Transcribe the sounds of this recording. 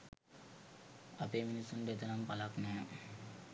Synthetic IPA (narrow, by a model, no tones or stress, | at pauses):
apeːminisːunɖəet̪ənampalaknɛː